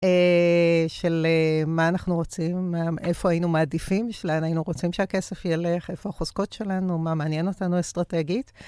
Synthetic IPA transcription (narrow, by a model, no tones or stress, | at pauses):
e | ʃe̞lemaːnaχnuʁo̞t͡simːaefo̞ajinumaːdifimʃelanajinuʁo̞t͡simʃeake̞sefjele̞χe̞foaχozko̞tʃe̞lanumameːnje̞no̞tanuastʁate̞ɡit